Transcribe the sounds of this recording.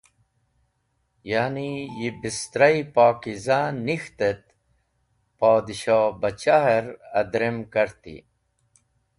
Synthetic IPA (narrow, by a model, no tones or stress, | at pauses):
jaːnijibist̪ɾaipaːkizanixt̪et̪̚ | paːd̪iɕaːbɐt͡ɕaɦeɾɐd̪ɾemkɐɾt̪ḭ